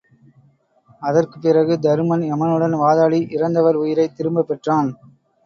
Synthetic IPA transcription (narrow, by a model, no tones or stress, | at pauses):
ɐðɐrkɯ̥pːɪrɐɣɯd̪ɐɾɯmɐnɛmɐnɯɽɐnʋaːðaːɭiʔɪɾɐnd̪ɐʋɐɾʊjɪɾɐɪt̪ːɪɾɯmbɐpːɛʈraːn